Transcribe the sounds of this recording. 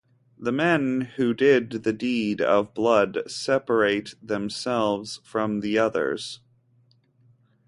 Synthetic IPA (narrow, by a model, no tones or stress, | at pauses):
ðəmɛ̃nhʉdɪd̪̚ðɨdiɾʌ̰vblʌdsɛpə˞eɪt̪̚ðɨ̃msɛlˠvz̥fɹʌ̃mðiʌðə̰˞z̥